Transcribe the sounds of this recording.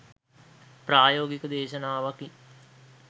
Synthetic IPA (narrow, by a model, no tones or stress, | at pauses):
pɾaːjoːɡikəd̪eːʃənaːʋaki